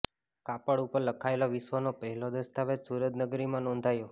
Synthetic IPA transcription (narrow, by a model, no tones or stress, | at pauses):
kapəɽupəɾləkʰaeloʋɪʃʋənopəɦɛlod̪əst̪ʰaʋet̪suɾəd̪nəɡɾimãnɔ̃nd̪ʱajo